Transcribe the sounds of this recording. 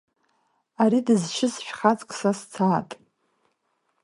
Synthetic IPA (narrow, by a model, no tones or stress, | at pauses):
aɾidɨzʃʰɪsʃᶣχat͡sʼkʷʼsast͡sʰaːtʼ